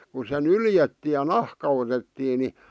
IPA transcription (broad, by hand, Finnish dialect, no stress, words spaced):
ku se nyljetːiː j̆ɑ̆ nɑhkɑ otetːiː ni